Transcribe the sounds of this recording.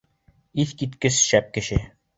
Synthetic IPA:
iθkit̪kɘsʃæp̚kɘ̆ʃɘ

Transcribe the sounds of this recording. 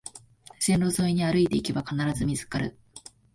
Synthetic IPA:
ɕẽnɾo̞zo̞ːiɲ̟iaɾɯ̟it̪e̞ike̞bakanaɾazɨmʲizɨ̥kaɾɯ̟

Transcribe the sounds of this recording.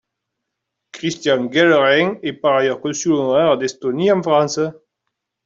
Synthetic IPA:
kʁist̪jaŋɡɛləʁɛŋɛpaʁajœʁkɔ̃nsylonoɛʁd̪ɛst̪oniɑ̃fʁɑ̃nsə

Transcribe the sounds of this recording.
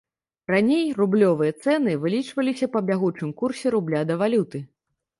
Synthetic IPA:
ranʲejrublʲɔvɨjɐt̪sɛnɨvɨlʲit͡ʂvɐlʲisʲɐpɐbʲaɣut͡ʂɨmkursʲɛɾublʲad̪ɐvalʲut̪ɨ

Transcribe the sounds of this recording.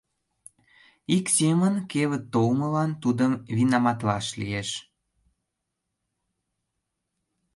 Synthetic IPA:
iksemənkeβət̪ːolməlɑnt̪ud̪əmβinɑmɑt̪lɑ̰ʃlḭeʃ

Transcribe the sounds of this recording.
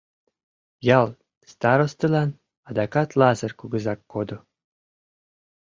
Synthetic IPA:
jɑlˠ | st̪ɑɾost̪ɤ̆lɑn | ɑd̪ɑkɑt̪lˠɑzɤ̆rkuɡɤ̆zɑkːod̪ŏ

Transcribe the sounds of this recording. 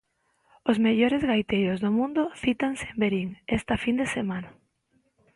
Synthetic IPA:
ozmeʎoɾezɣajt̪ejozðomũnd̪ʊθit̪ansembeɾiŋɛst̪ɐfind̪esemãna

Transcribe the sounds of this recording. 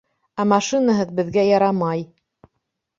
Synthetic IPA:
æmɑʃinaɦɤðbɘ̆ðɡæjɑɾɑmɑj

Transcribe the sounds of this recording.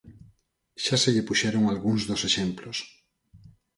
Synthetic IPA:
ʃaseʎepuʃeɾoŋalɣuŋzðoseʃemplos

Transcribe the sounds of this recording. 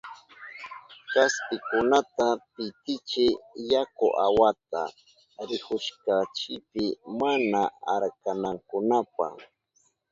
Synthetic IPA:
t͡ʃaspɪkʊnat̪apɪt̪ɪt͡ʃɪjakʊʔawat̪a̰ | ɾɪkʊʃkat͡ʃɪpɪmanaaɾkanaŋkʊnapa̰

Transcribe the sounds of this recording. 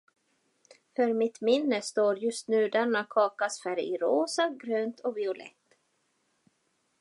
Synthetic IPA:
fœɾmɪt̪mɪnːəst̪oːɾjɵst̪nʉ̟ːd̪ɛnːakʰɑːkasfæɾɪɾoːsaɡɾøːnt̪ʰɔvɪʊlɛ̰t̪ː

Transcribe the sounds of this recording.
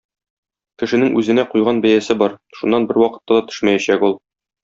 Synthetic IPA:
kɘ̆ʃɘ̆nɘŋʔʉzɘ̆næqujʁɑnbæjæsɘbɒɾʃunːɑnbɘɾwɒqɤ̥̆t̪ːɑd̪ɒt̪ɵ̥̆ʃmæjæɕækulˠ

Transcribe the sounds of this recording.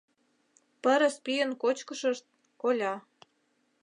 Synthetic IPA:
pə̆ɾə̆spyjə̆nkot͡ɕkə̆ʃə̆ʃt̪̚ | kolʲɑ

